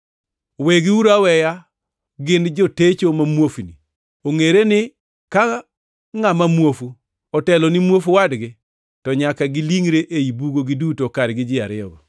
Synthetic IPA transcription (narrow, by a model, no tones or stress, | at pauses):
weɡiuɾawɛja | ɡɪnd͡ʒɔtet͡ʃomamwofnḭ | oŋeɾenɪ | ka | ŋamamwofu | ɔtɛlɔnɪmwofuwadɡɪ | tɔɲakaɡɪliŋɾeʔeibuɡoɡɪdutokaɾɡɪd͡ʒɪaɾɪɔ̰ba̰